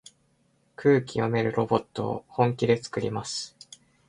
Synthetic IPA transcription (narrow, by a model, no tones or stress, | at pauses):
kʰɯ̟ːkʲio̞me̞ɾɯ̟ɾo̞bo̞t̪ːo̞̰ːhõ̞ŋkʲid̪e̞t͡sɨ̥kɯ̟ɾʲḭmasɨ̥